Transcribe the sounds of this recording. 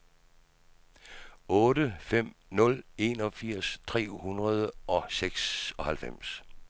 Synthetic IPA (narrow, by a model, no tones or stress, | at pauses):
ɔ̽ːɾəfem̰nɔ̽le̝nɒ̽fiɐ̰st͡sʰʁɛ̰ːhunʁɐð̞ˠəʔɒ̽seɡ̥sɒ̽hælfem̰s